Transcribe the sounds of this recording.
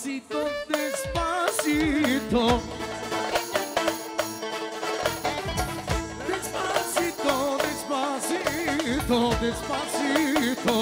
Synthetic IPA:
sit̪od̪espasit̪o | d̪espasit̪od̪espasit̪od̪espasit̪o

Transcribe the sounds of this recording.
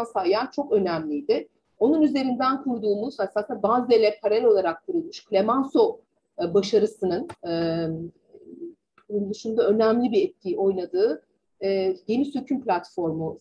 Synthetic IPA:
nsajant͡ʃʰo̞kø̞næmlʲijd̪ɪ | o̞nunyze̞ɾind̪ænkʰuɾd̪uːmuz̥hasasɯnabazelʲɛpʰaɾɛlo̞lˠaɾak̚kʰuɾulˠmuʃklʲe̞manso̞ | baʃaɾɯsɯnɯnɯ | und̪ɯʃumd̪aø̞næmlʲibiɾɛt̪̚cʰio̞jlˠad̪ɯː | je̞nisøcʰymplʲat̪fo̞ɾmu

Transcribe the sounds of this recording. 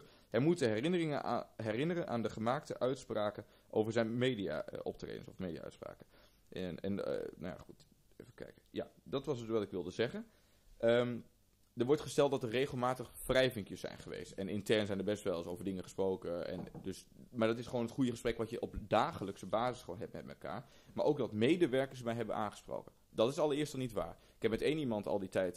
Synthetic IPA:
ɦɛmutəɦɛrɪnərɪŋəna̰ɦɛrɪnərənʔa̰ːndəχəmaːktəʔœɥtspraːkə | ʔoːvəɹzɛjnmeːdia̰ʔɔ̰p̚trḛːdə̰nsɔfmedia̰œ̰ɥtspra̰ːkə | ɛ̰nno̰ja̰χut | ḛfəkɛ̰jkəja̰dɔtʋɑsətʋɑtɪkʋɪlˠdəzɛχən | ʔəm | dəɹʋɔɹtχəstɛlˠt̚dɔtərːeːɣəlˠmaːtəχfrɛjvɪŋkjəsːɛ̰jnχəʋḛːstɛnɪntɛɹnsɛjndəɹbɛstʋɛlˠsoːvəɹdɪŋəχəsproːkəɛ̰ndøs | maːɹdɔtɪsχəʋoːnɦətχujəχəsprɛkʋɑtjəʔɔpdaːχələksəbaːzəsχəʋoːnɦɛp̚mɛt̚mɛtkʰa̰ːɹ | maːɹʔowk̚dɔtmeːdəʋɛɹkəsmɛjɦɛbənʔa̰ːnχə̥spro̰ːkən | dɑtɪsɑlˠəɹɪəstɔlˠnitʋa̰ːɹ | ɪkɛp̚mɛteːnimɑntʰɑ̰lˠditɛjt

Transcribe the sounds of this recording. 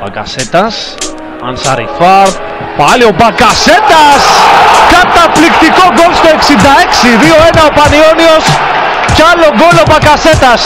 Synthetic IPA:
bɐ̰kɐ̰set̪ɐs | ɐ̰nsɐ̰ɾḭfɐɾt̪ | pɐlio̞bɐkɐse̞t̪ɐskɐt̪ɐplikt̪iko̞ɡo̞lst̪oe̞ksind̪ɐe̞ksiðioenɐopɐnio̞nio̞s | ceɐlo̞ɡo̞lo̞bɐkɐse̞t̪ɐs

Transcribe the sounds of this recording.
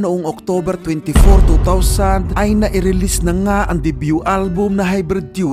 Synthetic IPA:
nʊʔoŋɔk̚t̪obɛɾt̪wɛnt̪ɪfoɔɾt̪ut̪awsand̪ʔɐjnɐʔɪɾɪlisnɐŋaʔɐŋd̪ibjuʔalbʊmnɐɦajbɾɛd̪̚ju

